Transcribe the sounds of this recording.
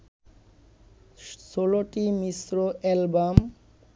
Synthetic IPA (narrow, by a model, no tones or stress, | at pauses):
ʃoloʈimisɾoʔɛlbam